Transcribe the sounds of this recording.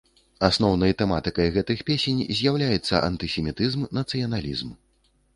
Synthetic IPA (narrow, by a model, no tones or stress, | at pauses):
asnɔwnɐjt̪ɛmat̪ɨkɐjɣɛt̪ɨxpʲesʲenʲzʲjawlʲajɛt̪sːɐ̰ʔɐ̰nt̪ɨsʲɛmʲit̪ɨzmnɐt̪sɨjɐnalʲḭzm